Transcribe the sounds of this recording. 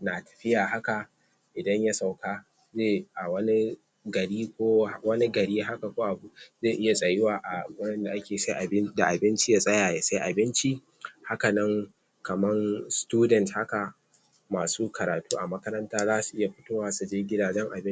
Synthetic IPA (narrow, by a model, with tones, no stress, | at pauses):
na˨tʰɐ̥˨ɸɪ˦jaː˨ɦa˦ka˨ | ʔɪ˨dɐ˦ɲja˦sa˨wkaː˦ | zeː˦˨ʔa˨wɐ˦ni˦ | ɡɐ˨ɽiː˦kʷoː˦wɐ˦ni˦ɡɐ˨ɽiː˦ɦa˦ka˨kʷoː˦ʔa˨bu˨zeː˦˨ʔɪ˦ja˨sʼɐ˨jɪ˦waː˨ʔa˨ʊ˦ɽɐ˦nda˨ʔa˦kʲeː˨sa˦jʔa˨bɪ˦da˨ʔa˨bɪ˦nt͡ʃi˦ja˦sʼɐ˦jaː˨ja˨sa˦ʔa˨bɪ˦nt͡ʃi˦ | ha˦ka˨nɐ˦ŋ | kɐ˨mɐ˦nstuː˦dɛ˨ntha˦ka˨ | maː˨suː˦kʰɐ˨ɾaː˨tuː˦ʔa˨mɐ˦kɐ˦ɾɐ˦ntaː˦zaː˦su˨ʔɪ˦ja˨ɸɪ˦toː˦waː˨su˨d͡ʒeː˦ɡʲɪ˦daː˨d͡ʒɛ˦ŋʔa̰˨bɪ˦